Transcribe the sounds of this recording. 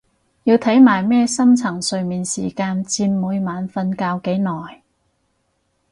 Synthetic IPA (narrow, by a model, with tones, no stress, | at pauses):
jiː˧wt̪ʰɐ˨˥jmaː˨˩jmɛː˥˧sɐ˥mt͡sʰɐ˨˩ŋsɵ˨ɥmiː˨nsḭː˨˩kaː˧nt͡siː˧nmuː˨˧jmaː˨˧nfɐ˧nkaː˧wke˨˥jnɔː˨˩j